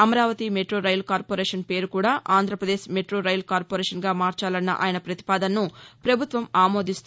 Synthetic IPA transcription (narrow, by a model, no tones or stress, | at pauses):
ɐmɐɾaːʋɐt̪imeʈɾoːɾɐjɐlkaːɾpoːɾɛːʂɐnpe̞ːɾukuːɽaːʔaːnd̪ʱɾɐpɾɐd̪eːʃmeʈɾo̞ːɾɐjlkaːɾpoɾɛːʂɐnɡaːmaːɾt͡ʃaːlɐnːɐ̰ʔa̰ːjɐnɐpɾɐt̪i̥paːd̪ɐnːupɾɐbʱut̪ʋɐmaːmo̞ːd̪ist̪u